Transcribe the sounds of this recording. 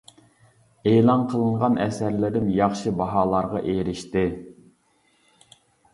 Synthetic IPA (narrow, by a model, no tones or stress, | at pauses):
eːlˠɑnqʰəlˠəɴʁɑnɛsæɾlɪɾɪmjɑχʃɨbɑɦɑːlˠɑɾʁɑʔeɾɪʃt̪ɪ